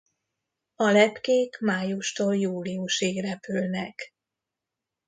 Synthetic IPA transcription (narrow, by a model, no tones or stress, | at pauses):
ɒlɛpkeːkmaːjuʃt̪oːljuːliuʃiɡrɛpylnɛk